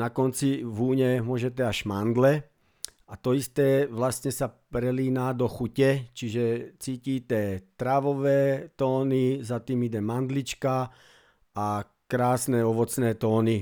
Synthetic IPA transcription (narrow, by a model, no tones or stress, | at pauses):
nakɔnt͡siʋuːɲɛmʊɔʒɛt̪̬ɛaʒmand̪lɛ | at̪ɔist̪ɛːʋlast̪ɲɛsapɾɛliːnaːd̪ɔxucɛt͡ʃiʒɛt͡siːciːt̪ɛːt̪ɾaʋɔʋɛːt̪ɔːnizat̪iːmid̪ɛmand̪lit͡ʃka | a | kɾaːsnɛːɔʋɔt͡snɛːt̪ɔːni